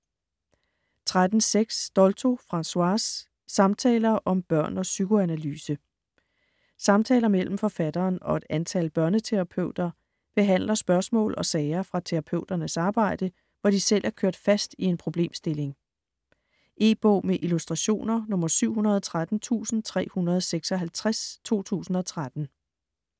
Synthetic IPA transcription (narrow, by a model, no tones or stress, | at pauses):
t͡sʰʁad̥n̩seɡ̥sd̥ɒ̽lt͡sʰo̝fʁɑ̈nswɑ̈sː | ɑ̈mt͡sʰɛ̰ːlɐʔɒ̽mb̥ɶɐ̰nɒ̽syɡ̥oænælyːsə | sɑ̈mt͡sʰɛ̰ːlɐmel̰m̩fɒ̽fæd̥ɐːnɒ̽e̝d̥ænt͡sʰælb̥ɶɐnət͡sʰeʁɑ̈pʰøʊ̰d̥ɐ | b̥e̝ɦæn̰lɐsb̥ɶɐsmɔ̰̽ːlɒ̽sɛːɪɐfʁɑ̈t͡sʰeʁɑ̈pʰø̰ʊd̥ɐnəsɑ̈ːb̥ɑ̈ɪ̰d̥ə | ʋɒd̥isel̰ʔæɐkʰøɐd̥fæsd̥ie̝npʰʁo̝b̥le̝̰ːmsd̥e̝le̝ŋ | ʔe̝̰ːb̥ɔ̰ːmeʔilusd̥ʁɑ̈ɕo̝̰ːnɐnɔ̽mɐsyʊ̰ɦunɐðˠɒt͡sʰʁad̥n̩t͡sʰṵːsn̩t͡sʰʁɛ̰ːhunɐð̞̩ˠseɡ̥sɒ̽ɦælt͡sʰʁast͡sʰo̝̰ːt͡sʰṵːsn̩ɒ̽t͡sʰʁad̥n̩